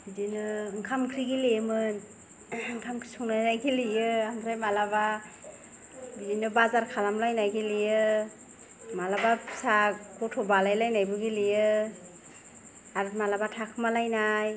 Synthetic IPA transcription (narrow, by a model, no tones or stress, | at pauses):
bizinɯŋkʰamkʰɾiɡilemɯn | ŋkʰamkʰi̥sɔŋnajnajɡilijɯaŋɡɾajmalaba | bizinɯbazaɾkʰalamlajnajɡilijɯ | malabapʰsaɡɔtʰɔbalajlajnajbɯɡilijɯ | aɾmalabatʰakʰɯmalajnaj